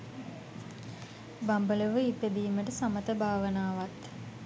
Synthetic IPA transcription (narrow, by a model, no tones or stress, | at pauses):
bambələʋəit̪əd̪iːməʈəsamət̪əbʱaːʋənaːʋat̪